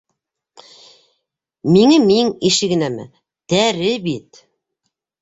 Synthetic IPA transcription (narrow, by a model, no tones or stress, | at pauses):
miŋɘmiŋiʃɘ̆ɡɘ̆næmɘ̰ | t̪æɾɘbit̪